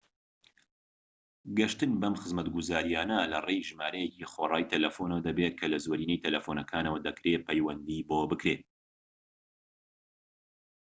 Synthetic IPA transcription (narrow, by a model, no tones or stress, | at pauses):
ɡɐʃt̪ɨnbɐmxɨzmɐt̪ɡuzaːɾijaːnɐlɐrejʒɨmaːɾɐjeciχorˤɑːjt̪ʰɐlɐfonɐwɐd̪ɐbet̪̚kʰɐlɐzoːɾiːnejt̪ʰɐlɐfonɐkʰaːnɐwɐd̪ɐkʰɾepʰɛjwɐnd̪iboːbɨkɾet̪̚